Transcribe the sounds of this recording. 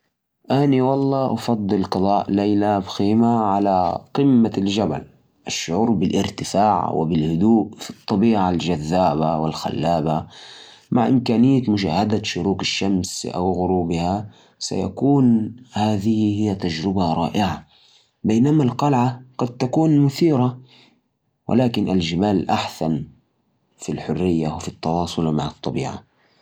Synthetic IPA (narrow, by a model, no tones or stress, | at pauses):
ʔaːniwɑlˤːɑːʔɑfɑd̪ˤːɨlqɨd̪ˤɑːʔlejlabxiːmaʕalaqɪmːald͡ʒaba̰l | ʔaʃːʊʕuːɾˤbɪlʔɪɾt̪ɪfaːʕwɪ̰bɪlhʊd̪uːʔfi̥t̪ˤːɑbiːʕald͡ʒaðːaːbawɪ̰lxa̰lːaːba | maʕʔɪmkaːnɪjːat̪mʊʃa̰ːhad̪aʃʊɾuːkaʃːamsʔa̰wɣʊɾuːbɪha | sa̰ja̰kuːnhaːðɪhhɪjːat̪ad͡ʒɾɪbaɾˤɑ̰ːʔɪʕa | beːnamalqɑlʕaɡ̥ɑd̪̚t̪akuːnmʊθiːɾa | wʔɪ̰laːkɪnʔald͡ʒɪbaːlʔaħsan | filħʊrːɪjːawfit̪ːɑwɑːsˤʊlma̰ʕɑt̪ˤːɑbḭːʕa̰